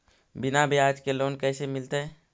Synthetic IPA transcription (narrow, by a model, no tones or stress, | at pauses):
binabʱiaːd͡ʒkeloːnkɛːsemɪlt̪e